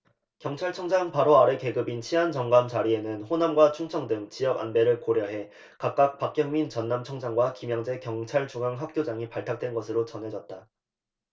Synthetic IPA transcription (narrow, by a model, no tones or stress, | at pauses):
kjʌŋt͡ɕʰaɭt͡ɕʰʌŋd͡ʑaŋpaɾoaɾeke̞ɡɯbint͡ɕʰiɦant͡ɕʌŋɡamt͡ɕaɾie̞nɯnɸonamɡwat͡ɕʰuŋt͡ɕʰʌŋdɯŋt͡ɕijʌɡa̰nbe̞ɾɯɭkoɾjʌɦe̞ | kak̚k͈ak̚pak̚k͈jʌŋmint͡ɕʌnːamt͡ɕʰʌŋd͡ʑaŋɡwakimjʌŋd͡ʑe̞kjʌŋt͡ɕʰaɭt͡ɕuɡaŋɦak̚k͈jod͡ʑaŋipaɭtʰak̚t͈wenɡʌsʰɯɾot͡ɕʌnɦe̞d͡ʑʌt̚t͈a